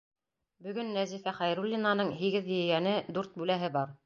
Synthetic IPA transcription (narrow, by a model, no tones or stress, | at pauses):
bɵ̆ɡɵnːæzifæχæjɾulʲːinanɤɴɦiɡɘðj̆ɘ̆jænɘd̪ʉɾt̪̚bʉlæɦɘbɑɾ